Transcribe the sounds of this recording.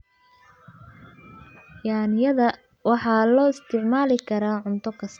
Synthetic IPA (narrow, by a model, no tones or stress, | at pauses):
jaːnɪjɐðɐ | wɑħɑːlɔːɪst̪ʰɪʕmaːlɪkʰɐɾaːʕʊnt̪ʰɔkʰɐs